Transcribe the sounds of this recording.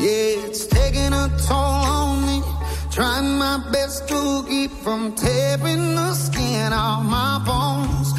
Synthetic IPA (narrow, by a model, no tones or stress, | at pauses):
jɛɪtstʰeɪkɪ̃ŋətʰolə̃nmitʰɹ̥aɪɪ̃ŋmaɪbɛskulˠɡipfɹʌ̃mtʰɛpɪ̃ŋðəskɪ̃nəmaɪbɔnz̥